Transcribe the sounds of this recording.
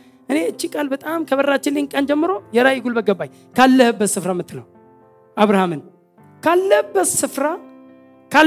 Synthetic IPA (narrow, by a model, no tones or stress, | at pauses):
ʔɨne̞ɨt͡ʃːikʼalbət̪ʼamkʰəβərːat͡ʃːɪnlːɪnkʼənd͡ʒɛmːɨɾo̞jɛɾajiɡulbəɡəbːaj | kʰalːəhɨbːət̪sɨfɾamɨt̪ʰːɨnə̰w | ʔaβɾahamɨn | kʰalːəhbːət̪sɨfɾa | kʰa